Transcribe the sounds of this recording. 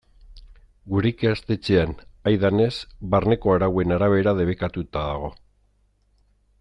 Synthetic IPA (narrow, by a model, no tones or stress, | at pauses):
ɡuɾekeast̪e̞t͡ʃeanajðane̞sβarne̞ko̞aɾawe̞naɾaβ̞e̞ɾað̞e̞β̞ekat̪ut̪aðaɣ̞o̞